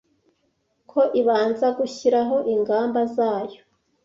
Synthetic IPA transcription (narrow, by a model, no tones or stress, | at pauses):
kʰo̞ʔiβaːnzaɡuçiɾaɦo̞ʔiŋɡaːmbazaːjo̞